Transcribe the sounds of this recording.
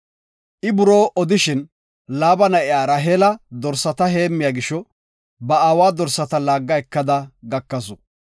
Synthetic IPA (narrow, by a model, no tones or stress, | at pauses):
ʔɪbʊɾo̞ːʔɔd̪ɪʃɪn | laːbɐnɐʔɪjaːɾɐɦeːlɐd̪ɔɾsɐt̪ɐɦe̞ːmːɪjaːɡɪʃːɔ | bɐaːwaːd̪ɔɾsɐt̪ɐlaːɡːɐɛkːɐd̪ɐɡɐkːɐsɔ